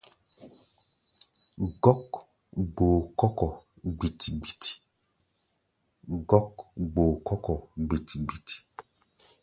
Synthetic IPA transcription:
ɡɔ˦k | ɡ͡boː˨kɔ˦kɔ˨ | ɡ͡bi˨ti˨ɡ͡bi˨ti̥˨ | ɡɔ˦kɡ͡bo˨kɔ˦kɔ˨ɡ͡bi˨ti̥˨ɡ͡bi˨ti̥˨

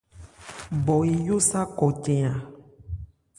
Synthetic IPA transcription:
bɔ˨e˨jo˦sa˦kɔ˨tɛ̃˨ã˨

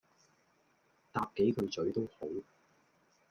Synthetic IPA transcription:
t̪aː˧p̚ke˨˥jkʰɵ˨˧ɥt͡sɵ˨˥ɥt̪o˥who˨˥w

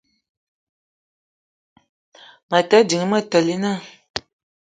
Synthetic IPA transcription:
ma˨tə˨˦di˨ŋ˦mə˦˨tə˨li˦na˦˨

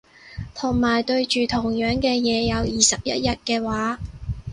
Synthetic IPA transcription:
t̪ʰʊ˨˩ŋmaː˨˩jt̪ɵ˧ɥt͡ʃyː˨˩t̪ʰʊ˨˩ŋjœː˨˥ŋkɛː˧jɛː˨˧jɐ˨˧wjiː˨sɐ˨p̚jɐ̰˥t̚jɐ˥t̚kɛː˧waː˨˥

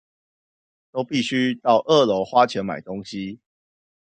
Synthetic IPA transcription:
t̪o˦ʊpi˥˨ɕy˦t̪ɑ˥˨ʊʔɤ˥˨lo˧˥xwa˦t͡ɕʰjɛ˨˥˦nma̰˨˩ɪt̪o˥˦ŋɕi˦

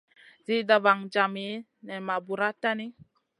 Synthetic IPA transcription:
zi˦da˨ba˨ŋd͡ʒa˨me˨˦ | nɛ˨ma˨bu˨ɾa˦ta˦ni˦

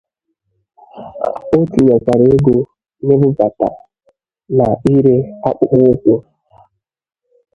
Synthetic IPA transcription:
o˦ti˨ɲa˨ka˨ɾe˨e˦ɡo˨ | ne˦bʊ˦ba˨ta̰˨ | na˨i˦ɾe˦a˦k͡pʊ˦k͡pʊ˦kʷʊ˦

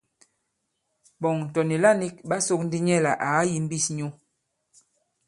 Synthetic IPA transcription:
bɔ˨ŋ̩˨tɔ˨ni˨la˦ni˦k̚ɓa˦so˦k̚n̩˦di˦ɲɛ˦˨la˨ʔa˨˦ji˨m̩˦bi˦˨sɲo˦

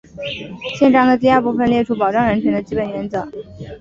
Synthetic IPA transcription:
ɕjɛ˥˧nʈ͡ʂɑ˥ŋd̪ə˧t̪̬i˥˧a˥˧˥pu˥˩fə˨˩nljɛ˥˩ʈ͡ʂʰu˥pɑ˨˩ʊʈ͡ʂɑ˥˧ŋɻə˧˥nt͡ɕʰɥɛ˧˥nd̪ə˧t͡ɕi˥˩pə˨˩nɥɛ˧˥nt͡sɤ˧˥˦

